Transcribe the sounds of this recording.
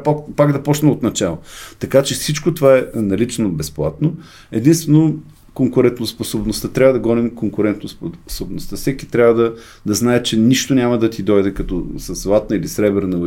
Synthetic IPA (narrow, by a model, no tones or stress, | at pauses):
pakpaɡd̪ɐpɔt͡ʃnɐot̪nɐt͡ʃalˠot̪ɐkat͡ʃɛsit͡ʃkot̪ovaɛnɐlit͡ʃnobɛsplˠat̪no | ɛd̪inst̪vɛno | koŋkʊɾɛnt̪nosposobnost̪ət̪ɾʲavəd̪ɐɡɔnɛmkoŋkʊɾɛnt̪nospsobnost̪əfsɛkit̪ɾʲavəd̪ɐ | d̪ɐznaɛt͡ʃɛniʃt̪onʲaməd̪ɐt̪id̪ɔjd̪ɛkɐt̪ɔsɐzlˠat̪nəilisɾɛbɛɾnə